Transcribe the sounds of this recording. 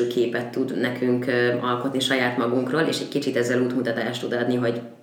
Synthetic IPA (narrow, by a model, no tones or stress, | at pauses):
kʰeːpɛt̪ːud̪nɛkʰyŋkɒlko̞t̪niʃɒjaːt̪mɒɡuŋkroːlḛːʃɛɟkit͡ʃit̪ɛzːɛluːt̪mut̪ɒt̪aːʃt̪ud̪ɒd̪niɦo̞ɟ